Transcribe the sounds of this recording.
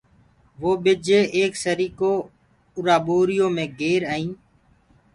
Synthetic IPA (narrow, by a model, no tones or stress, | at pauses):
ʋoːɓɪd͡ʒeːʔeːksəɾiːkoː | ʊɾaːɓoːɾɪjõːmẽːɡeːɾaːĩː